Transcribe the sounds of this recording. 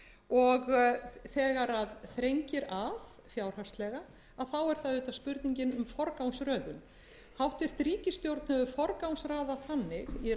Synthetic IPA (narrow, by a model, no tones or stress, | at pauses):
ɔɣθɛːɣaɾaðθɾejɲcɪɾað | fjawɾ̥hast̪lɛɣa | aðθawɛɾ̥θaðʏːt̪aspʏɾt̪niɲcɪnʏmfɔɾkawnsɾœːðʏn | hawht̪cɛr̥t̪ɾiːcɪst̪jowɾt̪nʏvʏfɔɾkawnsɾaːðaθanːɪɣjɛ